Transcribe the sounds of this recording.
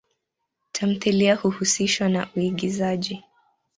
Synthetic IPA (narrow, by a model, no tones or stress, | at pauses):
tʰam̩θiliahuhusiʃwana̰ʔuiɠizaʄi